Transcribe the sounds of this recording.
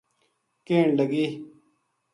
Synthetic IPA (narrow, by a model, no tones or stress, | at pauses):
keːɳləɡiː